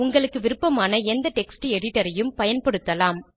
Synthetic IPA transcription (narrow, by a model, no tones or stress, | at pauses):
ʊŋɡɐɭɯkːɯʋɪɾɯpːɐmaːnɐɛnd̪ɐʈɛksʈɯɛɽɪʈːɐɾɐjɯmpɐjɐnpɐɽɯt̪ːɐlaːm